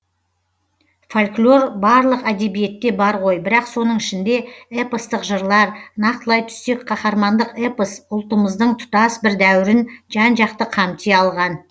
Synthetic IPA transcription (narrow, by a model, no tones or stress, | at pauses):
folʲklʲˠo̞ɾbɑɾlˠəqæd̪e̞bije̞t̪ːe̞bɑɾʁo̞jbɪɾɑqso̞nəɴɪʃɪnd̪e̞epəst̪əqʒəɾlˠɑɾnɑqt̪əlˠɑjt̪ʰʏ̥st̪e̞kqʰɑχɑɾmɑnd̪əqepəsʊlˠt̪əməzd̪əɴt̪ʰʊ̥t̪ɑsbɪɾd̪æwɪɾɪnʒɑnʒɑqt̪əqʰɑmt̪ʰeɑlˠʁɑn